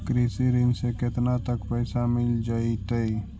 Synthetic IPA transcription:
kɾisiɾɪnseket̪nat̪əkpəɪsamɪld͡ʒaːit̪əi

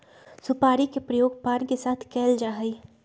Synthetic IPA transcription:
sʊpaːɾikepɾəjoːɡ̚paːnkesaːt̪ʰkɛːld͡ʒaːɦəi

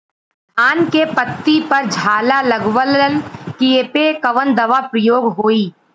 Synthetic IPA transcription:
aːnkepət̪ːipɐɾd͡ʒʱaːlalɐɡwələnkiepekɐʋənd̪ɐʋapɾəjoːɡɦoːiː

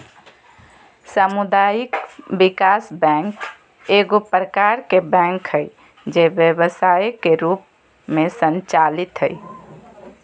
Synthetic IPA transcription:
səmud̪ajikbikasbɛ̃ŋk | eɡopɾəkaɾkebɛ̃ŋkɦəj | d͡ʒebjəbəsajkeɾup̚ | mesənt͡ʃalit̪ɦəj

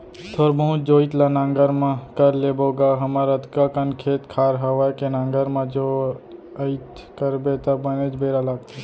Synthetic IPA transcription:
t̪ʰoːɾbəũt͡ʃd͡ʒoːit̪lanãːŋɡəɾmãkəɾleːboːɡaːɦɐmaɾət̪kakənkʰeːt̪kʰaːɾɦɐʋaːjkenãːŋɡəɾmãd͡ʒo | əɪt̪kəɾbet̪əbəned͡ʒbeːɾalaːɡt̪e

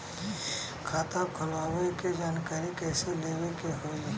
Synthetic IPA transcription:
kʰaːt̪akʰʊlaːweked͡ʒaːnkaːɾikɛːseleːwekeɦoi

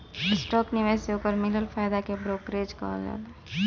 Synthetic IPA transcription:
sʈɔːknɪʋaseokəɾmɪləlfʰaːjd̪akebɾoːkɾed͡ʒkə̰d͡ʒa̰ːt̪a

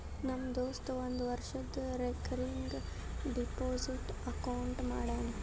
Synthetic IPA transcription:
nɐmːɐd̪oːst̪uʋond̪uʋɐɾʂɐd̪ːuɾekɐɾiŋɡ | ɖipoːsiʈɐkɐwuɳʈmaːɽaːni

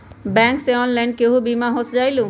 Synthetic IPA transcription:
bɛ̃ŋkseɔnlɛɳɖkeɦũbimaɦosd͡ʒajlũ

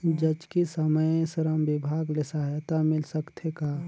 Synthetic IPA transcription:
d͡ʒəd͡ʒkisəməjsɾəmbɪbʱaːɡlɪsaɦet̪amɪlsəkt̪ʰekaː

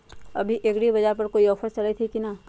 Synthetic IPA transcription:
ɐ̰bʱiʔeːɡɽibɐd͡ʒaɦpɐɾkoːiɔːfəst͡ʃɐlait̪ʰikina

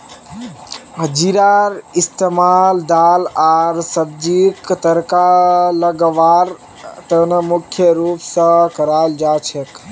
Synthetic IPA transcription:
ɦəd͡ʒiɾaɾist̪emald̪alaɾsəb̚d͡ʒikt̪əɾkaləɡʋaɾ | t̪ənəmukʰjəɾupsə̃kəɾald͡ʒat͡ʃʰek

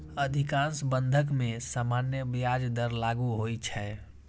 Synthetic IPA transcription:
əd̪ʱikãnsbə̃nd̪ʱək̬mẽsamanjəbjad͡ʒd̪əɾlaɡuɦoit͡ʃʰɛ

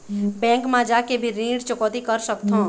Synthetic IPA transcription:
bɛ̃ːŋkmãd͡ʒakebʱiɾĩːɖt͡ʃʊkɔt̪ikəɾsəkt̪ʰõ

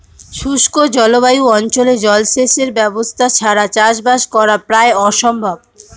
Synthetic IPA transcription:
ʃuʃkod͡ʑɔloβajuɔnt͡ɕoled͡ʑɔlʃeʃeɾbɛbost̪ʰat͡ɕʰaɾat͡ɕaʃbaʃkɔɾapɾaeɔʃɔmbʱab

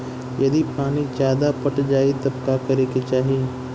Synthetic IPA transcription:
jɐd̪ipaːnid͡ʒaːd̪apɐʈd͡ʒaːit̪ɐb̚kakɐɾeːket͡ʃaːɦiː

